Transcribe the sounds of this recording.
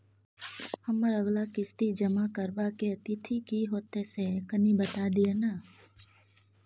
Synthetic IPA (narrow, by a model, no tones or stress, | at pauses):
hɐməɾəɡlakɪst̪id͡ʒəmakəɾbakeɐt̪it̪ʰikiɦoːt̪esekənibət̪ad̪ienaː